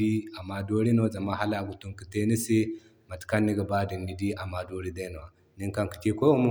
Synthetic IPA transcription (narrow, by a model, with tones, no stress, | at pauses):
i˦a˨ma˨do˦ɾi˦no˦za˨ma˦ɦa˦la˨ɡu˨tu˦ŋkə˨te˦ni˦se˦ | ma˨tka˦nːi˦ɡə˨ba˦di˨ni˨di˦ʔa˨ma˨do˦ɾi˦da˦no˨wa˨ | ni˦ŋka˦ŋki̥˨t͡ʃe˦ko˦mo˦